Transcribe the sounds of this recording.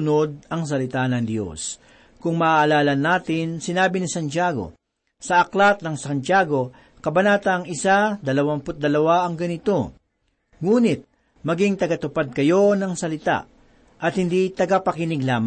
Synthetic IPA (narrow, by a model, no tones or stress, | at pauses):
ʊno̞d̪̚ɐŋs̬ɐlɪt̪anɐŋd̪jo̞̰s | kʊŋmɐʔːʔɐlaːlɐnːaːt̪ɪnsɪnaːbɪnɪsɐnt͡ʃaɡo̞̰ | sɐʔɐklat̪̚nɐŋsɐnt͡ʃjaːɡo̞ | kɐbɐnaːt̪ɐŋɪsad̪ɐlɐwampʊt̪̚d̪ɐlɐwaʔɐŋɡɐnɪt̪o̞ | ŋuːnɪt̪̚ | mɐɡiŋt̪ɐɡɐt̪ʊpad̪̚kɐjo̞nɐŋsɐlɪt̪a̰ | ʔɐt̪̚hɪnd̪it̪ɐɡapɐkɪnɪɡlaːm